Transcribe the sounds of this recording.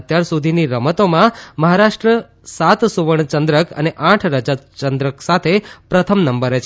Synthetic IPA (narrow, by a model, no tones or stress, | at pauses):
ət̪jaɾsud̪ʱiniɾəmət̪omãməɦaɾaʂʈɾə | sat̪suʋəɳt͡ʃənd̪ɾəkə̰neʔãʈʰɾəd͡ʒat͡ʃənd̪ɾəksat̪ʰepɾət̪ʰəmnəmbəɾet͡ʃʰ